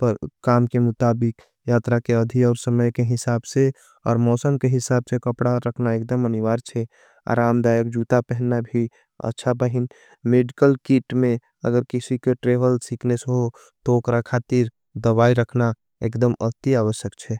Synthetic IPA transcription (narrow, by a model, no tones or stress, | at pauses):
pəɾkamkemʊt̪abɪk | jat̪ɾakeəd̪ʱiɔːɾsəməjkeɦɪsaːbse | ɔ̰ːɾmɔsənkeɦɪsabsekəpɽaɾəkʰnaek̚d̪əməniʋaːɾt͡ʃʰɛ | a̰ɾamd̪ajək̚d͡ʒut̪apɛɦnːabʱi | ə̰tːʃʰabəɦin | meɖikəlkiʈmẽ | ə̰ɡəɾkisikeʈɾebəlsiknesəɦo | t̪okɾakʰat̪iɾ | d̪əbaiɾəkʰna | ḛkd̪əmə̰t̪iaʋəʃjəkt͡ʃʰɛ